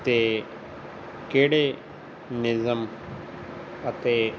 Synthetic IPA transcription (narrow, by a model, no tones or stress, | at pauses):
t̪eː | keːɽe | nɪzəm | ət̪eː